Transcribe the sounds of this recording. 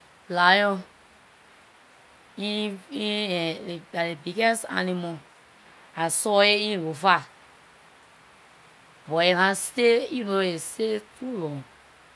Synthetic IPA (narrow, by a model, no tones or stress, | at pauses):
lajɔ̃ | iĩ | aɾebiɡɛsa̰nĩmɔ̃ | ãsɔːeĩlofa | bɔekãseinõesetɾulɔ̃